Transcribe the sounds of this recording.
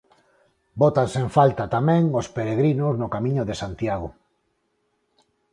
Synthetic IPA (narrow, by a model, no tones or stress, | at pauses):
bot̪ansẽɱfalt̪at̪amɛ̃ŋospeɾeɣ̞ɾinoznokamĩɲoðesant̪jaɣ̞o